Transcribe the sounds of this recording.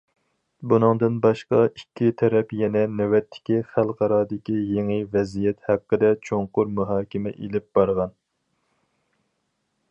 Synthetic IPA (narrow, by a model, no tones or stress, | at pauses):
bunɨŋd̪ɨnbɑʃqɑikʲːit̪ʰɛɾɛpjɛnɛnɛwɛt̪ʰːɪ̥kʲiχælˠqʰɑɾɑːd̪ɪkʲijeŋɨvɛzijɛt̪hæqːəd̪ɛt͡ʃʰoŋqʊɾmuɦɑːkʲɪmɛ̰ʔelɪp̚b̥ɑɾʁɑn